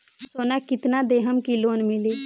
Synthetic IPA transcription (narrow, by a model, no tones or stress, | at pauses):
soːnakɪt̪nad̪eːɦəmkiloːnmɪleː